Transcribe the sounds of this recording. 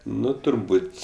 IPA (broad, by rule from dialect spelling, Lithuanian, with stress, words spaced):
ˈnʊ tʊrˈbuːtʲ